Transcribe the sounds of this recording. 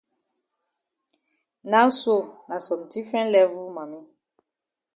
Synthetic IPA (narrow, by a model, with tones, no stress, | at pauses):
na˦so˦˨nã˨sɔ˨m˨ti˦fɛ̃˦lɛ˦vu˦ma˨mi˦